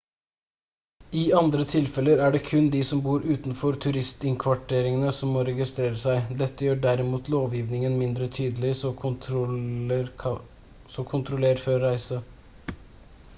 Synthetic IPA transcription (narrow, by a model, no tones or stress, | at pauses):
ɪɑnd̪ɾət̪ʰɪlfɛləɾæɖɛːkʰʉnd̪iːsɔmbuːɾʔʉːt̪nfɔɾt̪ʰʉɾɪst̪ɪŋkʰʋɑʈʰeːɾɪŋənəsɔmːɔɾɛɡɪst̪ɾeːɾəsæɪd̪ɛt̪ːəjøːɖæɾɪmuːt̪loːʋjiːʋnɪŋənmɪnd̪ɾət̪ʰyːd̪əlɪ | sɔkʰʊnt̪ʰɾʊleːɾføːɾːæɪsə